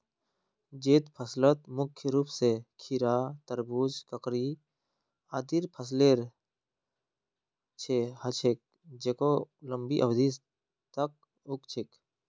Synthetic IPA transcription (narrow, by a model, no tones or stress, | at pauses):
d͡ʒeːt̪pʰəslət̪̚mʊkʰːjəɾuːpsekʰiɾaːt̪əɾbuːd͡ʒkəkɾi | aːd̪iɾpʰəs̬leːɾ | t͡ʃʰehət͡ʃʰek̚ | d͡ʒekolə̃mbiʔəbd̪is | t̪ək̚ | ʊkt͡ʃʰek